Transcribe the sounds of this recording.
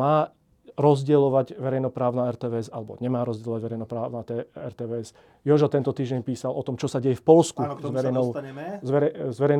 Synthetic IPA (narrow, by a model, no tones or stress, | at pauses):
aː | ɾɔzɟɛlɔʋaɟʋɛɾɛjnɔpɾaːʊnaɛɾt̪ɛːʋɛːɛzalɛbɔ̰ɲɛmaːɾɔzɟɛlɔʋaɟʋɛɾɛjnɔpɾaːʊnat̪ɛɛɾt̪ɛːʋɛɛs | jɔʒɔt̪ɛnt̪ɔt̪iːʒɟɛɲpiːsalʔɔt̪ɔmt͡ʃɔsaɟɛjɛfpɔlskuzʋɛɾɛɔzʋɛɾɛzʋɛɾɛjn